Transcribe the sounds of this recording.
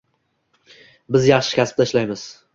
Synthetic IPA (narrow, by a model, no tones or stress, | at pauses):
bɪzjɑχʃɪ̥kʲʰasp̚t̪aɪʃlajmɪz̥